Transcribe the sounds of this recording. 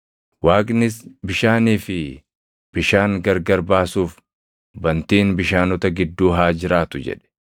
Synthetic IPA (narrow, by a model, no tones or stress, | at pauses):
waːkʼnɪsbɪʃaːniːfɪ | b̥ɪʃaːŋɡɐɾɡɐɾbaːsuːf | bɐnt̪iːnbɪʃaːnɔt̪ɐɡɪd̪ːuːɦaːd͡ʒɪɾaːt̪ʊd͡ʒɛ̰ᶑɛ̥